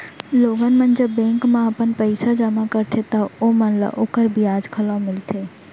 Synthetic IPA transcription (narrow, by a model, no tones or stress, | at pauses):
loːɡənmə̃nd͡ʒəbːɛ̃ːŋkmãɐpənpəɪsad͡ʒamakəɾt̪ʰet̪ɐomɐ̃nla̰ʔoːkəɾbʱiaːd͡ʒkʰəlõmɪlt̪ʰeː